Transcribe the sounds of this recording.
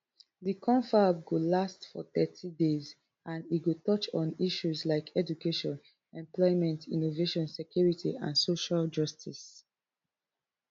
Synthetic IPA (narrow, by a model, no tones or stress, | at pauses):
ðikʰɔ̃ɱfab̚ɡolastfɔ̰θɛtʰidez | ãniɡotɔt͡ʃɔ̃niʃuzlaɪkʰɛd͡ʒukeʃɔ̃n | ɛ̃mplɔɪmɛ̃ntʰḭ̃noveʃɔ̃nsekʰjuɹitʰḭʔã̰nsoʃald͡ʒʌstʰis